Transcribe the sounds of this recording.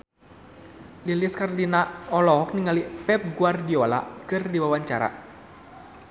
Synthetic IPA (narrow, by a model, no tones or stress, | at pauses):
liliskarlinaɔlɔɦɔk̚niŋalipɛp̚ɡuardiɔla̰kɨrdiwawaɲt͡ʃaɾa̰